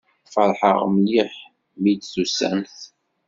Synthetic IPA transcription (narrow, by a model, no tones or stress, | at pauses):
fɑɾˤħə̰ʁmliħ | mid̪θusæ̰nθ